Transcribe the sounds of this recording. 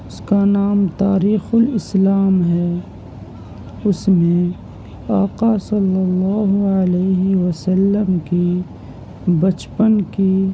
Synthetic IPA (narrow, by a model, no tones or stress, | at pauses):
ʊskanaːmt̪aːɾiːxʊlɪslaːmɦɛː | ʊsmẽ | aːqasɐlːəlːaːɦʊəleːɦiwəsəlːəmki | bət͡ʃpənki